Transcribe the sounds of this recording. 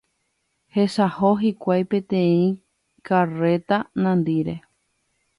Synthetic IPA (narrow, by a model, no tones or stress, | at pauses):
he̞ʃaho̞ɦikʷajpẽt̪ẽĩ | kare̞t̪anãnd̪iɾe̞